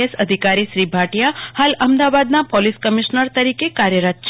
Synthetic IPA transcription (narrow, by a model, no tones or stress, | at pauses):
esəd̪ʱikaɾiʃɾibʱaʈjahaləmd̪aʋad̪napoliskəmiʃnəɾt̪əɾikekaɾjəɾət̪t͡ʃ